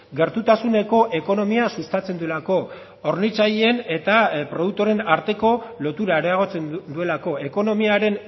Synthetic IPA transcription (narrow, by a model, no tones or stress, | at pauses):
ɡe̞ɾt̪ut̪asune̞ko̞ʔe̞ko̞no̞miasust̪at͡se̞nd̪ue̞lako̞ | oɾnit͡sajene̞t̪apɾo̞ð̞uk̚t̪o̞ɾe̞naɾt̪e̞ko̞lo̞t̪uɾaɾeaɣ̞o̞t͡se̞nnd̪ue̞lako̞e̞ko̞no̞miaɾe̞n